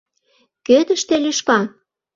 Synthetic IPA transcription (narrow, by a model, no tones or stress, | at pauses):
kød̪ə̆ʃt̪elʲyʃkɑ